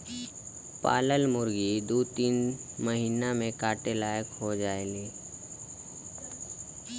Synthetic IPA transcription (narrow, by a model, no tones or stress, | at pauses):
pa̰ːləlmʊɾɡid̪uːt̪iːnməɦiːnamẽkaːʈelaːjəkɦod͡ʒaːeliː